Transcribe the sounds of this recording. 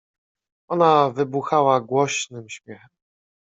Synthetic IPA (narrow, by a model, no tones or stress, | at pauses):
ɔnavɘbuxawaɡwɔɕnɘmɕmʲjɛxɛm